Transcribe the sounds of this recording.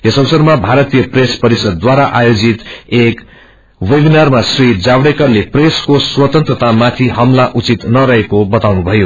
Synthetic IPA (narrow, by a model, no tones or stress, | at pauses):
jesʌbsʌrmabʱaɾʌt̪ijʌprespʌɾisʌd̪̚ːwaɾaʔajod͡zit̪ek | webinʌrmasrid͡zawɽekʌrlepreskoswʌt̪ʌnt̪rʌt̪amat̪ʰiɦʌmlaʔut͡sit̪nʌɾʌɦekobʌt̪awnubʱʌjo